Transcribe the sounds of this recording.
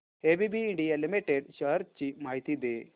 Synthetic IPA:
eːbibiːɳɖijɐlimiʈːeɖɕɐrt͡ɕimajt̪id̪e

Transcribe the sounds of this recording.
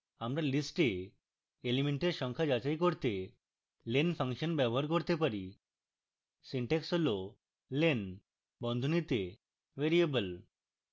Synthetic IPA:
amɾalisʈeː | limeɳʈeɾʃɔŋkʰad͡ʒat͡ʃajkoɾt̪e | lenpʰaŋʃɔnbɛbɔɦaɾkoɾt̪epaɾi | siɳʈeksɦolo | len | bɔnd̪ʱonit̪e | ʋeɾiebəl

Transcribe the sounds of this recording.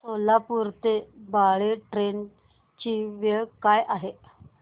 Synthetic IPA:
solapuɾt̪ebaɭeʈɾen | t͡ɕiʋeɭkajʔaɦe

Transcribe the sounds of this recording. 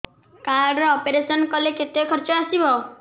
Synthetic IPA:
kaɾɖɾɔːpeɾesɔnkɔleket̪jɔkʰɔɾt͡ʃɔasibʱɔ

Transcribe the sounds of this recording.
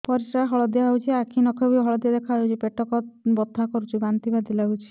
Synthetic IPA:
pɔɾisɾaɦɔɭɔd̪ijaɦut͡ʃʰiakʰinɔkʰɔbiɦɔɭɔd̪ijad̪ekʰaut͡ʃʰipeʈɔkɔt̪bɔt̪ːakɔɾut͡ʃʰibant̪ibad̪ilaut͡ʃʰi̥

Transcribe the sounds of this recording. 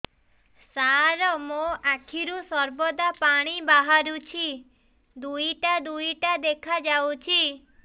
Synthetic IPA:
saɾɔmoakʰiɾusɔɾbɔd̪apaɽ̃ibaɦaɾut͡ʃʰi | d̪ujʈad̪ujʈad̪ekʰad͡ʒawt͡ʃʰi

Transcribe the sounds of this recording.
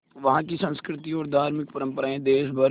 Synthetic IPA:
ʋɐɦãːkisə̃nskɾɪt̪iɔːɾd̪ʱaːɾmɪk̚pəɾə̃mpəɾaːẽd̪eːʃbə

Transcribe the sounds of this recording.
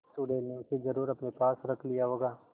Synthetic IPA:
suɽeːlneʊsezɐɾuːɾɐpnepaːsɾɐkʰlijaɦoːɡaː

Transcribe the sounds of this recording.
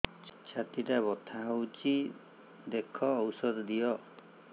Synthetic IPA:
t͡ʃʰat̪iʈabɔt̪ʰaɦɔwt͡ʃi | d̪ekʰɔːwsɔd̪ɔd̪ijɔ

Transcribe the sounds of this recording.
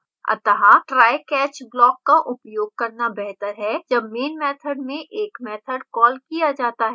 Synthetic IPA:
ɐ̰t̪əɦaʈɾaːjkɛːt͡ʃblɔːkːaʔʊpjoːɡ̚kɐɾnabɛɦt̪əɾɦɛd͡ʒɐbmeːnmɛːt̪ʰəɖmẽʔeːkmɛːt̪ʰəɖkɔːlkijad͡ʒaːt̪aɦɛ

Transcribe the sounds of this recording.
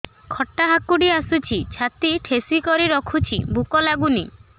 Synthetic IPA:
kʰɔʈːaɦakuɽiasut͡ʃʰit͡ʃʰat̪iʈʰesikɔɾiɾɔkʰut͡ʃʰḭbukɔlaɡuni

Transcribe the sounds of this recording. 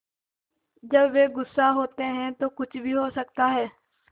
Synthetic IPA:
d͡ʒəbʋeːɡʊsːaɦoːt̪eɦɛ̃t̪oːkʊt͡ʃʰbʱiɦoːsək̚t̪aɦɛː

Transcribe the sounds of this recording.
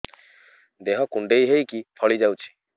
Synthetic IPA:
d̪eɦɔkuɳɖejɦejkifʰɔɭid͡ʑawt͡ɕʰi̥

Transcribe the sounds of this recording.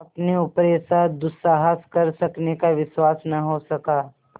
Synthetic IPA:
ɐpneʊpɾeːsad̪ʊsaːɦəskɐɾsɐknekaʋɪswaːsnɐɦosɐkaː

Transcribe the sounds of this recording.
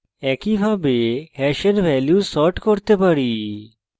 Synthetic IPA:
ɛkibʱabeɦɛʃeɾʋʱɛljusɔʈkoɾt̪epaɽi

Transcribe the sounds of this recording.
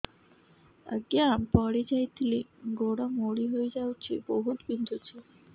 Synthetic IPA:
ə̰ɡjampəɽid͡ʑajt̪liɡoɽamoɽiɦojd͡ʑawt͡ɕʰḭbəɦut̪bind̪ʱut͡ɕʰi

